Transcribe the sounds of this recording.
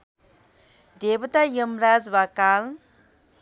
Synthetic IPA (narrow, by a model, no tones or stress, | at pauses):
d̪ebət̪ajəmɾad͡zwakal